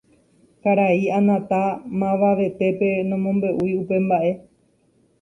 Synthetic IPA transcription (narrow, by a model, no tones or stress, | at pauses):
kaɾaianãt̪amãʋaʋe̞t̪e̞pe̞nõ̞mõ̞mbe̞ʔujupe̞mbaʔe̞